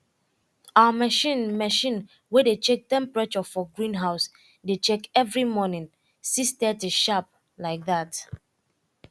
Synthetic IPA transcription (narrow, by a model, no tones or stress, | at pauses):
amɛʃĩnmɛʃĩn | wɛdet͡ʃek̚tɛ̃mpɹat͡ʃɔfɔɡɹĩnɦaʊs | det͡ʃekɛvɹimɔnĩn | sistɛtuʃap̚ | laɪk̚ðat